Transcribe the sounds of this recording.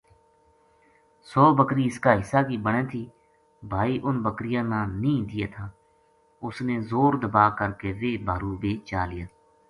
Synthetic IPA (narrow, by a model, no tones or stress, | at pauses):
sɔːbəkɾiːɪskaːɦɪsaːkiːbəɽ̃ẽːt̪ʰiː | bʱaːiːʔʊnbəkɾɪjãːnãːnĩːd̪ɪjaːt̪ʰaː | ʊsneːzoːɾd̪əbaːkəɾkeːʋeːbʱaːɾuːbeːt͡ʃaːlɪjaː